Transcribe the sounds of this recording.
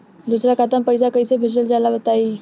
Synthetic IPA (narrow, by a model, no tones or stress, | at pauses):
d̪usɾjakat̪əmpəjsakəjsebʱesəld͡ʑalaʋət̪ai